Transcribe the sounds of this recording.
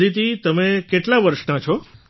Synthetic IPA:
ɾit̪it̪əmẽkeʈlaʋəɾʃnat͡ʃʰɔ

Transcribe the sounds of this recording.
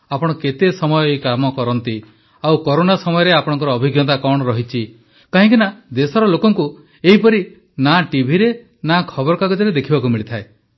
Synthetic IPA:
apɔɽ̃ɔket̪esɔmɔjɔekamɔkɔɾɔnt̪i | awkɔɾonasɔmɔjɔɾeapɔɽ̃ɔ̃ŋkɔɾɔːbʱiɡjɔt̪̬akɔɽ̃ɔɾɔɦit͡ʃʰi | kaɦĩŋkinad̪esɔɾɔlokɔŋku | eɦipɔɾi | naʈibʱiɾe | nakʰɔbɔɾɔkaɡɔd͡ʒɔɾed̪ekʰibakumiɭit̪ʰae

